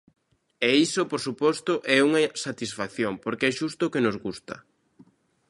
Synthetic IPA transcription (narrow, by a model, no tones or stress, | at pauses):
ɛisopoɾsupɔst̪ʊʔɛuŋɐsat̪isfakθjoŋpoɾkeɛʃust̪ʊkenozɣust̪ɐ